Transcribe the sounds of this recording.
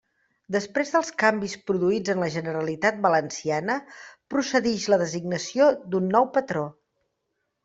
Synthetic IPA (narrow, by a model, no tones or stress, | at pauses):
d̪əspɾezðəlˠskambispɾuðuid͡zənləʒənəɾəlit̪at̪̚bələnsianəpɾusəðɛʃləðəziɡnəsiod̪unːɔwpət̪ɾo